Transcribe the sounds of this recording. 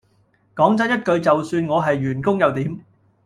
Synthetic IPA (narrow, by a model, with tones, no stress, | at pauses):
kɔː˨˥ŋt͡sɐ˨˥njɐ˥t̚kɵ˧ɥt͡sɐ˨wsyː˧nŋɔː˨˧ɦɐ˨jːyː˨˩nkʊ˥ŋjɐ˨˧wt̪iː˨˥m